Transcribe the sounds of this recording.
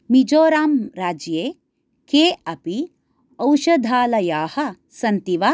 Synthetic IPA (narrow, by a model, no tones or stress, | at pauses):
mid͡ʒoːɾaːmɾaːd͡ʒjeː | keːɐpi | ɐwʃɐd̪ʱaːlɐjaːhɐ | sɐnt̪iʋaː